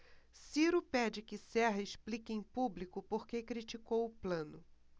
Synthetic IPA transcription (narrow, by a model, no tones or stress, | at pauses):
siɾʊpɛd͡ʒɪkɪsɛɦɐɪʃplikẽj̃publikʊpoɾkekɾit͡ʃikowʊplɐ̃nʊ